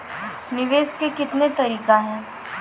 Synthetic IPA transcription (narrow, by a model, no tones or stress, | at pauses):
nɪʋeːskekɪt̪net̪ɐɾiːkaɦɛ̃ː